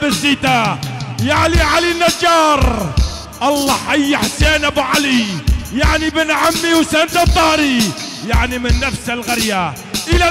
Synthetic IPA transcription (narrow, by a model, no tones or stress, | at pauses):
basiːt̪ajaʕliʕalinːad͡ʒːɑːɾˤ | ʔɑlˤːɑːħajːaħseːnʔabʕalijaʕnibɪnʕamːiwseːnt̪at̪ˤːɑːɾijaʕnimɪnːafsalɣaɾja | ʔɪla